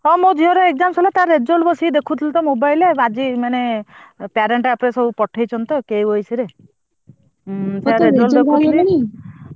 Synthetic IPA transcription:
ɔmod̪ʱiɔɾɔeɡ̚d͡ʒamsɔlat̪aɾed͡ʒolbɔsid̪ekʰut̪ʰilt̪ɔmobajlead͡ʒimanepaɾeɳʈapɽesɔbupɔʈʰejt͡ʃʰɔnt̪ɔkejojsiɾe | seaɾed͡ʒold̪ekuil

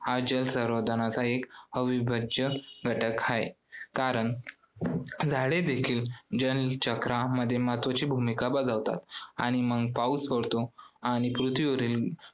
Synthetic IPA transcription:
had͡ʑəlsəɾʋəd̪ʱəñat͡saekhəʋibəd͡ʑjəɡʱəʈəkajḛ | kaɾəɳ | d͡zʱaɽed̪ekʰiːld͡ʑənt͡ɕəkɾaməd̪ʱːjemat̪ʋət͡ɕiːbʱumikabad͡zaʋt̪a̰t̪aɽ̃iməɡpausfəɽt̪oaɽ̃ipɾut̪ʰʋiʋəɾiːl

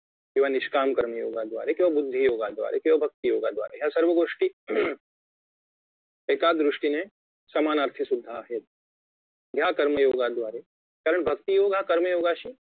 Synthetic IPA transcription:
kiʋanɪʃkaːmkɐɾməjoːɡaːd̪wʋa̰ːɾekĩʋabʊd̪ʱːijoːɡaːd̪wʋa̰ːɾekiʋabʱɐk̚t̪ijoːɡad̪ʋa̰ːɾajɦasɐɾʋəɡoːʂʈi | eːkaːd̪ɾʊʂʈine | sɐmaːnaːɾt̪ʰisʊd̪ʱːaːɦeːt̪ | ɡ̪ʱjaːkɐɾməjoːɡaːd̪ʋaːɾeː | kaːɾəɳ̃bʱɐkt̪ijoːɡʱakɐɾməjoːɡaːʃi

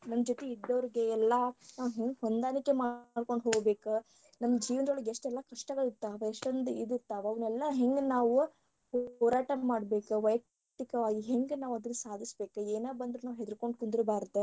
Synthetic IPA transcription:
nɐmːɐd͡ʒot̪eid̪ːɐʋɾiɡeɛlːɐnaːʋɦeŋɡɦond̪aːnikːemaɖko̞ɳɖɦoːɡbe̞ːku | nɐmːɐd͡ʒiːʋɐnɐɐɭɡeʂʈɛlːɐkɐʂʈɐɡɐɭiɾt̪ːaːʋeeʂʈɐnd̪uid̪iɾt̪ːaːʋɐʋɐnɛlːɐɦeŋɡnaːʋu | hɔːɾaːʈɐmaːɖbe̞ːkuʋɐjɐk̚ | ʈ̪ikɐʋaːɡiɦeŋɡenaːʋɐd̪ɐnːɐsaːd̪ʱisbe̞ːkueːnaːbɐnd̪ɾunaːʋɦed̪uɾko̞ɳɖkund̪ɾubaːɾt̪ːe

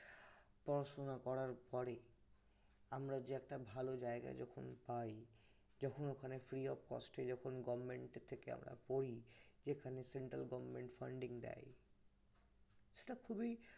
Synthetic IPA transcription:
pɔɾaʃonakɔɾaɾpɔɾe | amɾad͡ʑeɛk̚ʈabʱalod͡ʑaeɡa̰d͡ʑɔkʰonpaj | d͡ʑɔkʰonokʰanefɾiɔbkɔ̰sʈed͡ʑɔkʰonɡɔbmeɳʈet̪ʰːekea̰mɾa̰poɾid͡ʑekʰaneseɳʈɾa̰lɡɔbmeɳʈfaɳɖiŋd̪ɛ̰j | ʃe̥ʈakʰubi

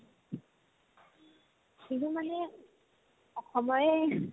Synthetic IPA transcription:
siɦumanɛ | ɔxɔmɔɹɛ

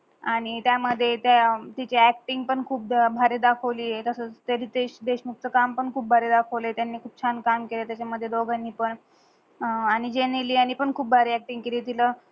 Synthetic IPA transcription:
aɽ̃it̪jaməd̪ʱːjet̪jat̪it͡ɕiæk̚ʈiŋɡ̚pəɳkʰuːp̚bʱaɾed̪akʰəʋliːet̪əsət͡st̪eɾiːt̪eɕd̪eɕmukt͡səkampəɳkʰuːp̚bʱaɾed̪akʰəʋləjet̪janːiːkʰuːb̚t͡ɕʰankamkelet̪jat͡ɕaməd̪ʱːjed̪oɡʱanːiːpəɳ | aɽ̃id͡ʑeniliːaɽ̃iːpəɳkʰuːp̚bʱaɾeæk̚ʈiŋɡkeliːt̪ilə

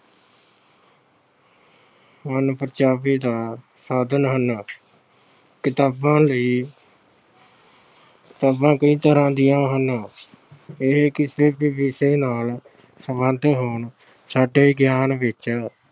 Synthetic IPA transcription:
mənpəɾd͡ʒaːʋiːd̪aː | saːd̪ənɦənː | kɪt̪aːbãːləiː | kɪ̥t̪aːbãːkəĩːt̪əɾãːd̪ɪjãːɦəna | ɪɦkɪseːpiːbiːseːnaːl | səmənd̪ʱɦoːɳ | saːɖeːɡjaːnʋɪt͡ʃɛː

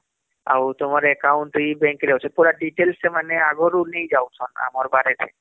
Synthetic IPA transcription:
a̰wt̪omaɾɛkawɳʈuibɛŋkeɾɛwt͡ʃʰɔpuɾaɖiʈelsemaneaɡɔɾunejd͡ʑawt͡ʃʰɔna̰mɔɾbaɾet̪ḛ

